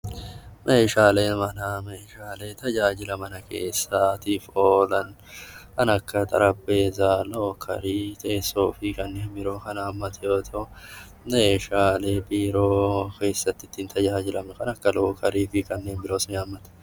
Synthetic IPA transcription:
mʔeːʃaːleːmɐnaːmeːʃaːle̞t̪ʰɐd͡ʒaːd͡ʒɪlɐmɐnɐke̞ːsːat̪iːfoːlɐn | ʔɐnɐkːɐt̪ʼɐ̰ɾɐbːe̞ːzaːloːkʰɐ̰ɾiːt̪ʰʼe̞ːsːoːfɪkʼɐnːeːbɪɾoːkɐnaːmːɐt̪ɪjoːt̪ʰo | meːʃaːleːpʼiːɾoːke̞ːsːɐt̪ːɪt̪ːint̪ʰɐd͡ʒaːd͡ʒɪlɐmnkɐnɐkːɐloːkɐɾiːfɪkʼɐnːeːnbɪɾoːsʊnaːmːɐt̪

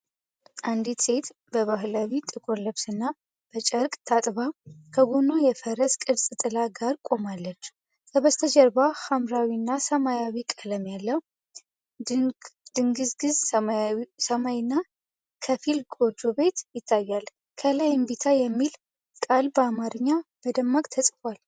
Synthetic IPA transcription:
ʔand̪it̪se̞t̪bəβaɦlawit̪ʼɨkʼo̞ləβsɨnːa | b̥ət͡ʃʼəɾkʼt̪ʰat̪ʼβakʰəɡonojɛfəɾəskʼɨlsʼɨt̪ʼɨlaɡaɾkʼo̞malːət͡ʃː | sʰəβəst̪ʰəd͡ʒɛɾbahamɾawinːasəmajawikʼələmjalːəw | d̪̥ɨŋɡɨzɡɨz | səmajnːa | kʰəfilɡo̞d͡ʒobe̞t̪jɪt̪ʰːajːal | kʰəlajɪmbit̪ʰajɛmːil | kʼalbəamaɾɨɲːaməd̪əmːakʼt̪ʰəsʼfal

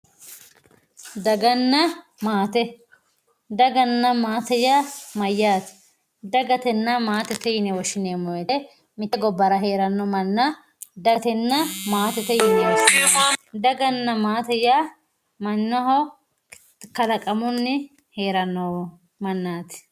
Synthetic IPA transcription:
d̪ɐɡɐnːɐ | maːt̪ɛ | d̪ɐɡɐnːɐmaːt̪ɛjamɐjːaːt̪ɪ̥ | d̪ɐɡɐt̪ɛnːɐmaːt̪ɛt̪ɛjɪnɛwɔʃɪneːmːɔjɛt̪ɛ | mɪt̪ːɛɡɔbːɐɾɐɦe̞ːɾɐnːɔmɐnːɐ | d̪ɐt̪ɛnːɐmaːt̪ɛt̪ɛjɪnɛwɔʃɪned̪ɐɡɐnːɐmaːt̪ɛja | mɐnːɐhɔ | kɐlɐkʼɐmʊnːɪ | he̞ːɾɐnːɔ | mɐnːaːt̪ɪ̥

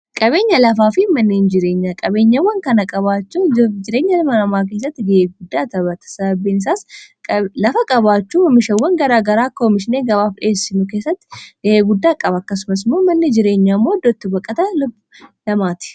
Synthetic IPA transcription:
kʼɐβe̞ːɲːɐlɐfaːfɪmɐnːeːnd͡ʒɪɾe̞ːɲːakʼɐbe̞ːɲːɐwːɐŋkɐnɐkʼɐβaːt͡ʃːuːd͡ʒɪɾeːɲːɐlɐmɐnɐmaːk̬e̞ːs̬ːɐt̪ːɪɡɐeːɡʊd̪ːaːt̪ɐbɐt̪ɐ̥sɐɐbinɪsaːsʼ | lɐfɐkʼɐβaːt͡ʃːuːɐmɪʃɐwːɐŋɡɐɾaːɡɐɾaːkomɪʃɪneːɡɐβaːfᶑeːsːɪnʊke̞ːsːɐt̪ːɪ̥ɡ̥ɐʔeːɡʊd̪ːaːkʼɐbɐɐkːɐsʊmɐs̬moːmɐnːɪd͡ʒɪɾe̞ːɲːaːmːoːd̪ɔt̪ːɪbɐkʼːɐt̪ɐlb | lɐmaːt̪ɪ̥

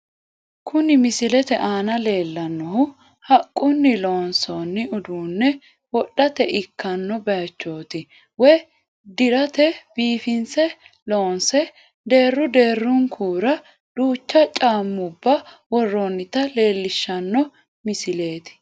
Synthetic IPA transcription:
kʰʊnɪmɪsɪlɛt̪ɛʔaːnɐle̞ːlːɐnːɔhʊ | hɐkʼːʊnːɪlo̞ːnsoːnːɪʊd̪uːnːɛ | wɔɗɐt̪ɛʔɪkːɐnːɔbɛjɐt͡ʃːo̞ːt̪ɪ | wɔj | d̪ɪɾɐt̪ɛbiːfɪnsɛ | lo̞ːnsɛ | d̪e̞ːrːʊd̪eːrːʊŋkʰuːɾɐ | d̪̥uːt͡ʃːɐt͡ʃʼaːmːʊbːɐwɔrːoːnːɪt̪ɐle̞ːlːɪʃːɐnːɔ | mɪsɪle̞ːt̪ɪ̥

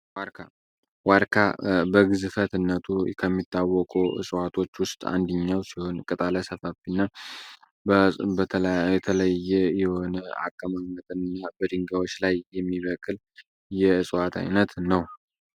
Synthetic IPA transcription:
waɾkʰa | waɾkʰabəɡɨzɨfət̪ɨnːət̪ʰukʰəmːit̪ʰːawːɔkʼuɨ̰sʼwat̪ʰo̞t͡ʃːwʊst̪ʼa̰nd̪əɲːawsiho̞nkʼɨt̪ʼaləsəfafinːa | bəjɛt̪ʰələjːɛjɛho̞na̰kʼːəmamət̪ʼɨnɨnːabəd̪ɨŋɡawo̞t͡ʃːlajːɛmːiβəkʼɨl | jɛɨsʼwat̪ʰa̰jnət̪nəw

